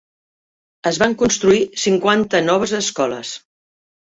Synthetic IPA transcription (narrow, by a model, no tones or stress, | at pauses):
əzβaŋkunst̪ɾuisiŋkwant̪ənɔβ̞əzəskɔlə̰s